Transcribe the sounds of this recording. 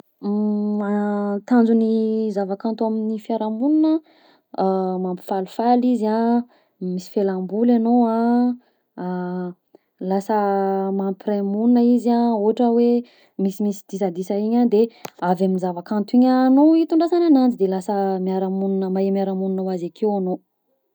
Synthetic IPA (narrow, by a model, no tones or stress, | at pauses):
at̪and͡zunizavakant̪uaminifjaɾamuninə | mampi̥falfaliza | misi̥felambulanoã | lasəmampiramuninəizaoɦaʈ͡ʂəwe | misimisid̪̥is̬ad̪isaiɲad̪eavaminzavakant̪uiɲanoit̪uɳɖ͡ʐasananand͡ʒid̪elasəmiaɾamuninəmaemjaɾamuninowazakʰewano